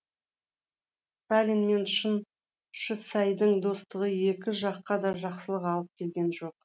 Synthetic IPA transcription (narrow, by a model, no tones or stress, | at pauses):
st̪alʲinme̞nʃən | ʃəsɑjd̪əɴd̪o̞st̪əʁəje̞kʲɪʒɑqːɑd̪ɑʒɑqsəlˠəqɑlˠəp̚kʲʰe̞lɡʲe̞nʒo̞q̚